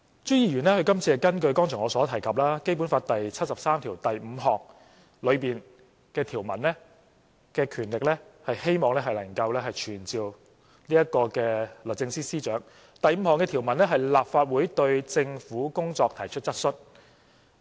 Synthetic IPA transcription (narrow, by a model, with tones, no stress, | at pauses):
t͡ʃy˥jiː˧ɥyː˨˩nɛː˥hɵ˧ɥkɐ˥mt͡sʰi˧ɛ˨˧kɐ˥nkɵ˧ɥkɔː˥ŋt͡ʃʰœː˨˩ŋɔː˨˧sɔː˨˥t̪ʰɐ˨˩jkʰɐ˨p̚laː˥ke˥jpu˨˥nfaː˧t̚t̪ɐ˨jt͡sʰɐ˥t̚sɐ˨p̚saː˥mt̪ʰiː˨˩wt̪ɐ˨jm̩ː˨˧ɦɔː˨˩ŋ̚ | lɵ˨˧ɥpiː˨n | kɛː˧t̪ʰiː˨˩wmɐ̰˨˩nlɛ˥ | kɛː˧kʰyː˨˩nlɪ˨k̚lɛː˥hɐ˨jhe˥jmɔː˨ŋlɛ˥ɦɐ˨jlɐ˨˩ŋkɐ˧wlɛː˥ɦɐ˨jt͡ʃʰyː˨˩nt͡siː˨w | liː˥jɐ˥t̚kɔː˧kɛː˧lɵ˨˩t͡sɪ˧ŋsiː˥siː˥t͡ʃœː˨˥ŋ | t̪ɐ˨jm̩˨˧hɔː˨ŋkɛː˧t̪ʰi˨˩wmɐ˨˩nlɛ˥ɦɐ˨jlaː˨p̚faː˧t̚wuː˨˥jt̪ɵ˧ɥt͡sɪ˧ŋfuː˨˥kʊ˥ŋt͡sɔː˧k̚t̪ʰɐ˨˩jt͡ʃʰɵ˥t̚t͡sɐ˥t̚sɵ˥t̚